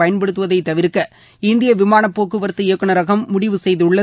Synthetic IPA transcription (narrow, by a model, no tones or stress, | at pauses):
ɐjɐnpɛɽɯt̪ːɯʋɐðɐɪt̪ːɐʋɪɾɯkːɐ | ɪnd̪ɪjɐʋɪmaːnɐpːoːkːɯʋɐɾt̪ːɯɪɐkːɯɳɐɾɐɣɐmːʊɽɪʋɯsɛjðɯɭːɐ